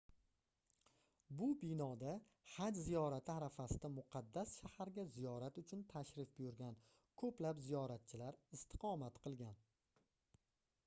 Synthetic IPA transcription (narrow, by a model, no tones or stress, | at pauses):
bʊbɪnɒd̪a | had͡ʒzijɒɾat̪ʰɪaɾafasɪd̪amʊqʰɑd̪ːasʃahaɾɡʲazijɒɾat̪ʊt͡ʃʰʊnt̪ʰaʃɾɪfbʊjʊɾɡʲan | kʰɵplapzijɒɾat̪̚t͡ʃʰɪlaɾɪst̪ʰɪ̥qʰɒmat̪qʰɨlˠɡʲan